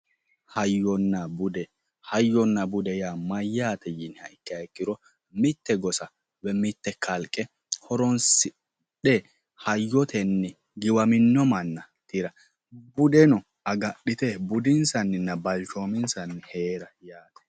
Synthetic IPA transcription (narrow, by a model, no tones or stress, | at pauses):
hɐjːɔnːɐbʊd̪ɛ | hɐjːɔnːɐbʊd̪ɛjaːmɐjːaːt̪ʰɛjɪnhɐʔɪkːɐɛkːɪɾɔ | mɪt̪ːɛɡɔsɐ | bɛmɪt̪ːɛkʰɐlkʼːɛ | hɔɾɔnsɪ | ɗɛ | hɐjːɔt̪ʰɛnːɛ | ɡɪwɐmɪnːɔmɐnːɐ | t̪ɪɾɐ | bʊd̪ɛnɔ | ɐɡɐɗːɪt̪ɛbʊd̪ɪnsɐnːɪnːɐbɐlt͡ʃoːmɪnsɐnːɪheːɾɐjaːt̪ɛ̥